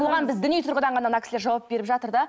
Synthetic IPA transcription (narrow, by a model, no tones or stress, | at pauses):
olʁɑnbɪzd̪ʏnijt̪ʰʊɾʁəd̪ɑɴʁɑnɑnɑkʲʰsleɾʒɑwɑp̚be̞ɾɪpʒɑt̪əɾd̪ɑ